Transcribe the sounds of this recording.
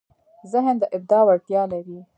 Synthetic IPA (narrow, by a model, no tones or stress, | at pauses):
zɪɦnd̪əʔɪb̚d̪ɑwaɽt̪jɑlaɾi